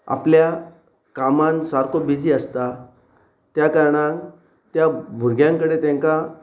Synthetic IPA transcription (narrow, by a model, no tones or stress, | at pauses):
a̰plja | kamãnsaɾkobid͡ziəst̪a | t̪jakaɾɳãŋ | t̪jabʱuɾɡjãŋkəɽet̪jãŋka